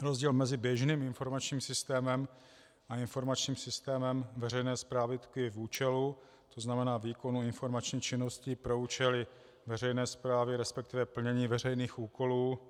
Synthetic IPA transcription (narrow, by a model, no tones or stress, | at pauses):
ɾozɟiːlmɛzɪbjɛʒniːmɪnfo̞ɾmat͡ʃɲiːmsɪst̪ɛːmɛm | ʔaɪnfo̞ɾmat͡ʃɲiːmsɪst̪ɛːmɛmvɛɾɛjnɛːspɾaːvɪt̪kɪvuːt͡ʃɛlu | t̪oznamɛnaːviːko̞nuɪnfo̞ɾmat͡ʃɲiːxt͡ʃɪno̞scipɾo̞uːt͡ʃɛlɪ | vɛrɛjnɛːspɾaːvɪɾɛspɛk̚t̪ɪvɛpl̩ɲɛɲiːvɛrɛjniːxuːko̞luː